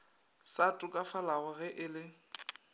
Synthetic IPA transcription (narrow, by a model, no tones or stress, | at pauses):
satʼʊkʼafalaɣʊɣɛʔɪlɪ